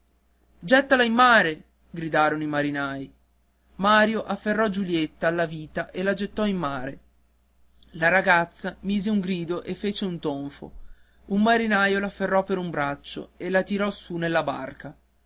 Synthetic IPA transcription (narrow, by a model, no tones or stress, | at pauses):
d͡ʒɛt̪ːalaimːaːɾe | ɡɾid̪aːɾonoimaɾinaːj | maːɾjoʔafːerːɔd͡ʒuljet̪ːaːlːaviːt̪aʔelad͡ʒet̪ːɔimːaːɾe | laɾaɡat̪sːamiːzeuŋɡɾiːd̪oʔefːet͡ʃeunt̪oɱfo̰ | ummaɾinajolafːerːɔpːeɾumbɾat͡ʃːo̰elat̪iɾɔsunelːaba̰rka